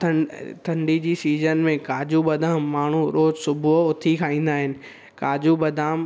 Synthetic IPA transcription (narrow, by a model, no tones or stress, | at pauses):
t̪ʰɐ̃t̪ʰɐ̃ɳɖid͡ʑiːsiːzənmẽkaːd͡ʑuɓɐd̪ʱaːmːaːɳ̤ũɾoːzsʊbʱʊʊt̪ʰikʰaːĩːn̆d̪aːɦɪnɪ̆ | kaːd͡ʑubɐd̪ʱaːm